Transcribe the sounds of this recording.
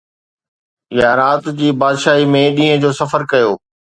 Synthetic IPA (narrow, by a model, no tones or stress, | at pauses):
ɪjanaːt̪d͡ʑiːbaːd̪ʃaːɦimẽɗĩːɦə̃d͡ʑoːsɐfəɾkɐjoː